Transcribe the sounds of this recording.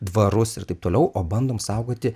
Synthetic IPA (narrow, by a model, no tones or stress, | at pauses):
d̪ʋɐɾʊsɪrt̪ɐɪp̚t̪oːlʲɛʊʔoːbɐnd̪oːmsɐʊɡoːt̪ʲɪ